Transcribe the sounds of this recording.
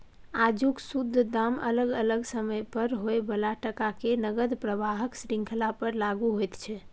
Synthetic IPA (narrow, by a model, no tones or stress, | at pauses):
ad͡ʒuksud̪ʱːd̪amə̰ləɡələɡsəməjpəɾɦoebəlaʈəkakenəɡəd̪pɾəbaɦəksɾĩŋkʰlapəɾlaɡuɦojt̪t͡ʃʰɛ